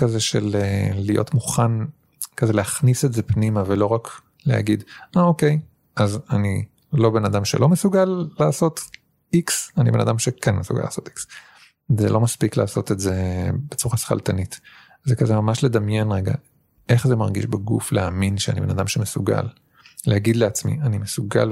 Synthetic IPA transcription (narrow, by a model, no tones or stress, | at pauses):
kazeʃelelijo̰tmuχan | kazelehaχnisezepnimavelo̞ʁak | lḛa̰ɡid̪aoke̞j | ʔazani | lo̞be̞nad̪amʃḛlo̞mesuɡalːaːso̞t | iksanibe̞na̰d̪amʃekenmesuɡa̰la̰ːsoti̥ks | zḛlo̞maspikla̰ːso̞t̪etzebet͡suʁasχa̰ltanit | zekazemamaʃle̞d̪amjenʁeɡa̰ | ʔe̞χzemaʁɡḭʃbaɡṵfleaminʃea̰nibe̞nad̪amʃemesuɡa̰l | lehaɡidleat͡smḭanimesuɡa̰l